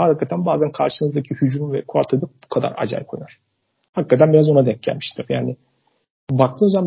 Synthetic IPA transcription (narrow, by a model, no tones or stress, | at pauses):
hakikʰːat̪ʰænbaːzænkʰaɾʃɯnɯzd̪acʰihyd͡ʒɾumvɛ̰kʰua̰ɾt̪ʰɯd̪abukʰad̪a̰ɾa̰d͡ʒa̰jkʰojnaɾ̥ | hakkːat̪ʰænbiɾazo̞nad̪ɛc̚ʲɟæ̰lʲmi̥ʃt̪ʰiɾjaːnɪ | bak̚t̪ʰɯːnozam